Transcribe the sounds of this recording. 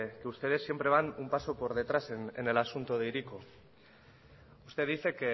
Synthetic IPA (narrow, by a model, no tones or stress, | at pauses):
keust̪e̞ðe̞sːje̞mpɾe̞βanumpaso̞po̞ɾðe̞t̪ɾasenene̞lasunt̪oð̞ejɾiko̞ | ust̪e̞ðiθe̞ke